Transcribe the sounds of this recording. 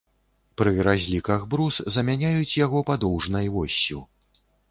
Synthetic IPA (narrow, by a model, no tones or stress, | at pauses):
pɾɨɾazʲlʲikɐɣbɾuszɐmʲanʲajut͡sʲjaɣɔpad̪ɔwʐnɐjvɔsʲːu